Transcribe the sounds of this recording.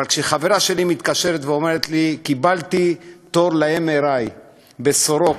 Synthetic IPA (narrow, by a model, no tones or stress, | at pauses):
aalkʃeχave̞ɾaʃe̞limit̪kaʃe̞ɾet̪veo̞me̞ɾet̪likibalt̪it̪o̞ɾlaemeɾaj | be̞soɾo̞k